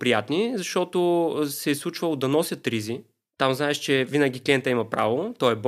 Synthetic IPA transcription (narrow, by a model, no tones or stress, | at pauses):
pɾijat̪nizɐʃt̪ɔt̪osɛslˠut͡ʃvɐlˠod̪ɐnɔsʲjət̪ɾizi | t̪amznaɛʃt͡ʃɛvinəɡʲiklʲɛnt̪əɐimɐpɾa̰vot̪ɔɛb